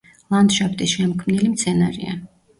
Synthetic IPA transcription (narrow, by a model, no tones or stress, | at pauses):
lˠand̪ʃapʰt̪ʼisʃɛmɔkʰmnilimt̪sʰɛnaɾḭa̰